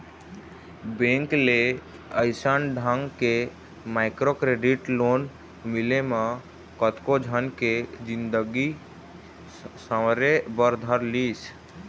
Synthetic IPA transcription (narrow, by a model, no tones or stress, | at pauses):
bẽŋkle | əɪsənɖʱaŋɡke | maɪkɾokɾeɖiʈlon | mileme | kət̪kod͡ʒʱənked͡ʒind̪əɡi | səɾebəɾd̪ʱəɾlis